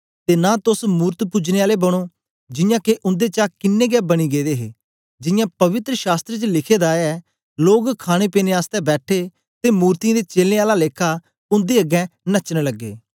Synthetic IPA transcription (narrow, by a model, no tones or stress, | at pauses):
t̪eːnaːt̪ʊsmuːɾt̪pʊd͡ʒneːaːlebəɽ̃oː | d͡ʒɪjãːkeʔʊ̃nd̪et͡ʃaːkɪnːẽːɡɛːbɐɽ̃iːɡeːd̪eːɦḛː | d͡ʒɪjãːpɐʋɪt̪ɾəʃaːst̪ɾet͡ʃəlɪkʰeːd̪aːɛː | loːɡkʰaːɽ̃eːpeːneaːst̪ɛbɛːʈʰeː | t̪emuːɾt̪ĩd̪eːt͡ʃeːlneːaːlaleːkʰaː | ʊ̃nd̪eːɐɡɛ̃ːnət͡ʃneləɡːḛː